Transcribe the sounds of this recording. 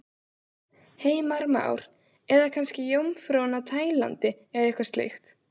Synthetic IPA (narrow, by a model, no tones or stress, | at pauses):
heːjmaɾmaa̰ːwɾ̥ | ɛðakʰanscɪjowmfɾownat̪ʰaːjla̰nt̪ɪ | ɛðɛhkvaɾst̪lḛjxt̪